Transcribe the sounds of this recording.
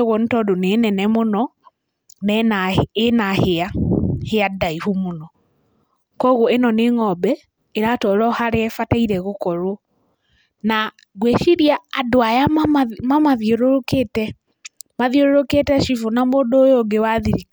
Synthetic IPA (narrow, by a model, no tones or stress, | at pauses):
ɣɔntɔdonenɛnɛmonɔ | nɛnaenaheaheadaihumonɔ | kɔɣoenɔneŋɔbɛ | eɾatɔɾɔhaɾeɛfataiɾɛɣokɔɾwɔ | na | ɣweʃiɾiaːdoajaaamamaðjoɾoɾoketɛ | maðjoɾoɾoketɛʃifonamodoːjoɡewaðiɾi